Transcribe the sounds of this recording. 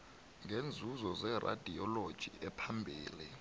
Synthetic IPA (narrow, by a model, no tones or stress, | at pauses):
ŋʱend͡zʱuzɔzɛra̰d̥ʱiɔlod̥ʒ̥ʱḭʔɛpʰambʱiːli